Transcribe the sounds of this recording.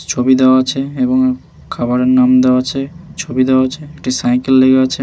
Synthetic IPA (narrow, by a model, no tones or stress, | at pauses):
t͡ɕʰobid̪ewaat͡ɕʰeeboŋ | kʰabaɾeɾnamd̪ewat͡ɕʰet͡ɕʰobid̪eoat͡ɕʰeek̚ʈisajkelːeɡeat͡ɕʰe